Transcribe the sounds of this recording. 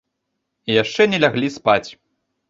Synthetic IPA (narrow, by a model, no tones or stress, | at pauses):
ijaʂt͡ʂɛnʲɛlʲaɣlʲispat͡sʲ